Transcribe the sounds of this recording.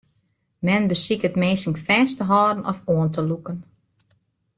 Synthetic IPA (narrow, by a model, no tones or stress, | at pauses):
mɛnbəsikətmeːsəŋfɛːstəɦɔːdənʔɔfoəntəlukən